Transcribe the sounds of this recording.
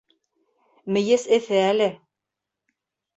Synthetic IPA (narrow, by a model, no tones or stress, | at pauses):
mɘ̆jɘsɘ̆θɘælɘ